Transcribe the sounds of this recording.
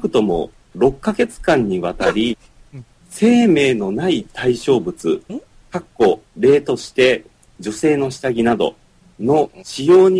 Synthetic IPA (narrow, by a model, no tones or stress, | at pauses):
kɯ̟̥t̪o̞mo̞̰ | ɾo̞kːaɡe̞t͡sɨ̥kãɲ̟ːiβat̪aɾʲi | se̞ːme̞ːno̞nait̪aiɕo̞ːbɯ̟t͡sɨ | kakːo̞ɾe̞ːt̪o̞ɕi̥t̪e̞ | d͡ʑo̞se̞ːno̞ɕi̥t̪aɡʲinad̪o̞̰ | no̞ɕijo̞ːɲ̟